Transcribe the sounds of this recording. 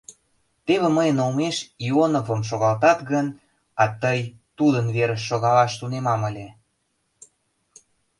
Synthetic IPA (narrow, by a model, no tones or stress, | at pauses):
t̪eβĕməjənomeʃionovə̆mʃ̬oɣɑlt̪ɑt̪ɣən | ɑt̪əj | t̪ud̪ənβeɾəʃːoɣɑlɑʃt̪unemɑməlʲe